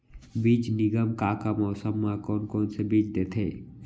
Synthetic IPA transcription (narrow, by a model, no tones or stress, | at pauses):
biːt͡ʃnɪɡəmkaːkamɔːsəmːakɔːnkɔːnsebiːt͡ʃd̪et̪ʰeː